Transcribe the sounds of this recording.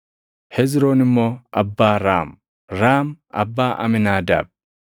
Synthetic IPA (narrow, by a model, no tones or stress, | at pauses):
hɛzɾoːnɪmːoːʔɐbːaːɾaːm | ɾaːmʔɐ̰bːaːʔɐ̰mɪnaːd̪a̰ːb̚